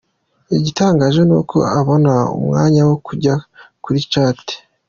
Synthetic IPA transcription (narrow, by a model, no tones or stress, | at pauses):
iɟitaːŋɡaːʒe̞nṵːkʰo̞̰aβo̞naṵmŋa̰ːɲawo̞kuɟakuɾit͡ʃaːte̥